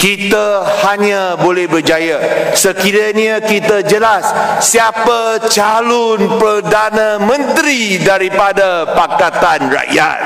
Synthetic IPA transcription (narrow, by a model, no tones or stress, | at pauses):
kit̪ahaɲãbolɛhbərd͡ʒajasəkiɾaniakit̪ad͡ʒəlasːiapat͡ʃalɔnpərdanãmə̃nt̪ɾidaɾipadapakat̪anra̰ʔja̰t̪̚